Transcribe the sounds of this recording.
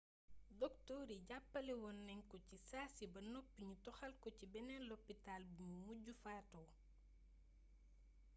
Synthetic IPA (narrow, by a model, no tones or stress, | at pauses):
dɔktɔːɾiɟapːɐlɛwɔnːɛŋkɔcisaːsibɐnɔpːiɲutɔxɐlkɔcibɛnɛnlɔpːitalbuɲumuɟufaːtɔ